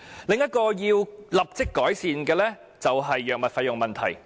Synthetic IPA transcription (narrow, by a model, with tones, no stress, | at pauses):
lɪ˨ŋjɐ˥t̚kɔː˧jiː˧wlɐ˨p̚t͡sɪ˥kːɔː˨˥jsiː˨nkɛː˧lɛː˥ | t͡sɐ˨wɦɐ˨jːœː˨k̚mɐ˨t̚fɐ˧jːʊ˨ŋmɐ˨nt̪ʰɐ̰˨˩j